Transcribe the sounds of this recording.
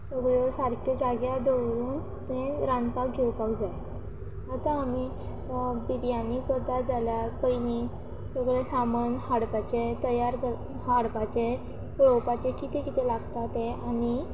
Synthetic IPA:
səɡɭesaɾkʰəd͡ʑaɡjad̪əwɾuːn | t̪ẽɾãnpakɡʱewpawd͡zaj | at̪ãːmi | bid̪janikəɾt̪ad͡zalapəjni | səɡɭesamənhaɽpat͡ɕet̪əjaɾkə | haɽpat͡ɕe | kɭɔwpat͡ɕekit̪ekit̪elaɡt̪at̪ẽani

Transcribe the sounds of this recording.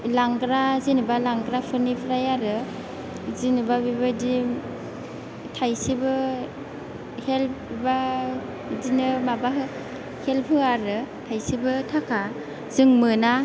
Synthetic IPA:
laŋɡɾazinɯbalaŋɡɾapʰɯɾnipʰɾajaɾɯ | zinɯbabibadim | tʰajsibɯ | helpbiba | dinɯmabaɦɯ | helpʰhɯaɾɯtʰajsibɯtʰakʰa | zɯŋmɯna

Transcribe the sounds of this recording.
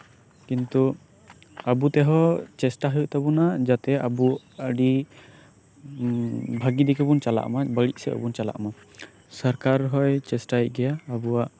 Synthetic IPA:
kint̪u | əbut̪ɛɦɔt͡ʃɛsʈaɦəʔt̪abunad͡ʒat̪ɛabu | əɖi | bʱaɡid̪ɛkɛbunt͡ʃala̰ʔmabəɽiʔ̚sɛ̰ʔə̰bunt͡ʃala̰ʔma | səɾkaɾɦɔjt͡ʃɛsʈaj̚ɡɛjaːbuwaʔ

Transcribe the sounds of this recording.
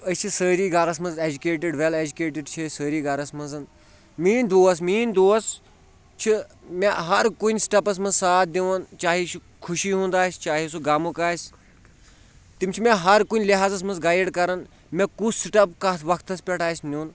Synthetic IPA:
əsʲt͡ʃʰisəːɾiːɡaɾɐs̬mɐnzed͡ʒukeːʈ̬iɖʋeled͡ʒukeːʈ̬iɖt͡ʃʰisəːɾiːɡɐɾɐsmɐnzɐn | miːnd̪oːɐs̬miːnd̪oːɐs | t͡ʃʰi | meɦɐɾkunʲsi̥ʈɐpɐs̬mɐ̃nzsaːt̪̚ʰd̪iʋɐnt͡ʃaːɦit͡ʃʰi | kʰuʃiːɦũːnd̪aːsʲt͡ʃaːɦis̬uɡaːmukaːsʲ | t̪imʲt͡ʃʰimẽɦɐɾkunʲliɦaːzɐsmɐnzɡaːjiɽkɐɾɐn | mẽkussiʈɐpkɐʋɐkʰt̪ɐspʲɛʈʰaːsʲnuːn

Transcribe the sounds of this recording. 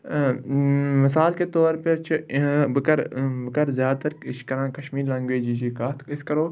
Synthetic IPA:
mɪsaːlket̪oːɾpɐɾt͡ʃʰĩbɪkɐɾbɪkɐɾzjaːd̪̚t̪ɐɾɪʃkɐɾãːkɐʃmiːɾlɐ̃ŋɡʋeːd͡ʒit͡ʃʰikaːt̪ɪskɐɾoː

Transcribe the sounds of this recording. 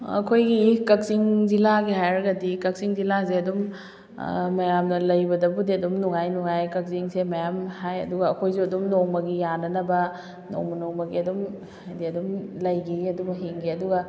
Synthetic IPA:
ɐ̰kʰojɡikɐk̚ziŋd͡ʒilaɡihajɾɐɡɐdikɐk̚siŋzilazeɐdum | mɐjamnɐlɐjbɐdɐbudiɐdumnuŋajnuŋajkɐk̚ziŋsemɐjamhajɐ̰duɡɐɐkʰojzuɐdumnoŋmɐɡijanɐnɐbɐ | no̰ŋmɐnoŋmɐɡiɐdum | ajdiɐdumlɐjɡiiɐdumɦiŋɡiɐduɡɐ

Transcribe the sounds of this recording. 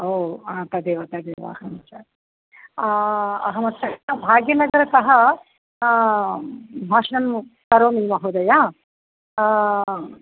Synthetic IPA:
oːãːt̪ɐd̪eːʋɐt̪ɐd̪eːʋa̰ɐ̰hɐmɐt͡ʃa | ɐ̰ɦɐmɐt̪ːt͡ʃɐɐbʱaːɡjɐnɐɡɐɾɐkɐɦɐ | bʱaːʂɐnɐmk̪ɐɾoːmiːmɐɦoːd̪ɐjaː

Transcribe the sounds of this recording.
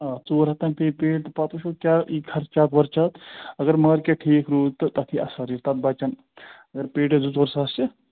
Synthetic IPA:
at͡soːɾɦɐt̪ɐnpeːpeːʈ̚t̪ɐpɐt̪uʃukʲjaːʔiːkʰɐɾt͡ʃaːt̪ʋɐɾt͡ʃat̪ɐɡɐɾməːɾkeʈʰiːkɾuːt̪ɐt̪ɐk̪ʰiʔɐsɐɾit̪ɐt̪̚bɐt͡ʃɐn | ɐɡɐɾpeːʈed͡zut͡soːɾsɐːst͡ʃe

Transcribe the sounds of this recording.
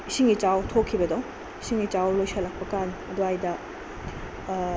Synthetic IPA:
isiŋit͡ʃawtʰokʰːibɐdow̃ | isiŋit͡ʃawlojsɐlak̚pɐkanɐduajdɐ

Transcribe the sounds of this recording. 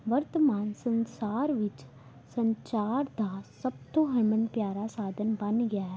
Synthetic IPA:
ʋɐɾt̪əmaːnsə̃nsaːɾʋɪt͡ʃ | sə̃ɲt͡ʃaːɾd̪ʱasɐb̚t̪oɦɐɾmənpjaːɾasaːd̪ʱənbɐnɡɐjaɦɛ

